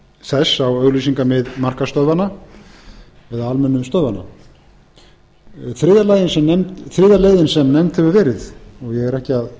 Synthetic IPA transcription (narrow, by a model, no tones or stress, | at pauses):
sɛsawœɣlisiŋkamɪðmar̥kast̪œðvana | ɛðaalmɛnːʏmst̪œðvanːa̰ | θɾɪːðalajðɪnsɛmnɛmt̪θɾɪːðaleːjðɪnsɛmnɛmt̪hɛvʏɾvɛːɾɪðɔɣjɛɣɛɾɛhcɪað